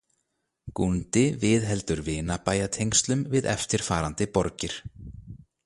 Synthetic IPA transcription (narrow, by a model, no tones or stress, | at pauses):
kunt̪ɪvɪðɦɛlt̪ʏɾvɪːnapaːjat̪ʰejŋst̪lʏmvɪðɛ̰ft̪ɪɾ̥faːɾant̪ɪpɔɾcɪɾ̥